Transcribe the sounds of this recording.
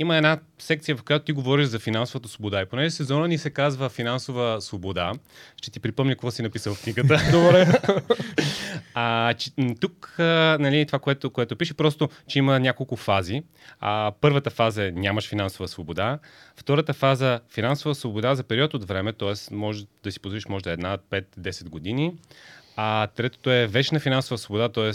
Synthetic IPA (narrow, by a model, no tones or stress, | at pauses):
iməɛnasɛkt̪sijəvɐfkojat̪o̥t̪iɡovɔɾiʒzɐfinansʊvət̪əsvobod̪aiponɛʒɛsɛzɔnənisɛkazvəfinansovəsvobod̪a | ʃt͡ʃɛt̪ipɾipɤmɲʲɐkkvɔsinɐpisəlˠfkniɡət̪əobɾɛ | t͡ʃɛt̪ukənɐlit̪ovakoɛt̪okoɛt̪ʊpiʃɛpɾɔst̪ʊ | t͡ʃɛimənʲakolˠkʊfazi | pɤɾvət̪əfazəɛnʲaməʃfinansʊvəsvobod̪aft̪ɔɾət̪əfazəfinansovəsvobod̪azɐpɛɾiɔt̪od̪vɾɛmɛt̪ɔɛsmɔʒd̪ɐsi̥pozɾiʃmɔʒd̪ɐɛd̪napɛt̪d̪ɛsɛd̪ɡod̪ini | at̪ɾɛt̪o̥t̪oɛvɛt͡ʃnəfinansʊvəsvobod̪at̪ɔɛs